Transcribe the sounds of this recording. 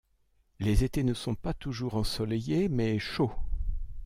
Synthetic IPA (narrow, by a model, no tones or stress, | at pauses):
lezet̪enəsɔ̃pat̪uʒuʁɑ̃sɔlejemɛʃo